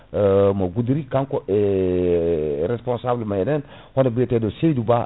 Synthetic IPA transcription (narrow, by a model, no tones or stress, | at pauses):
maɡudɾikaŋkoe | ɾespõnsablmajenɛn | honabetedosejduba